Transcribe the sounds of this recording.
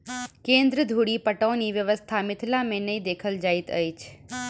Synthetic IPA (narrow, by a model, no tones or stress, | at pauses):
kẽːnd̪ɾəd̪ʱuɽiːpəʈõːniʋjəʋəst̪ʰamɪt̪ʰlamẽnəĩd̪eːkʰəld͡ʒaːit̪ə̰it͡ʃʰ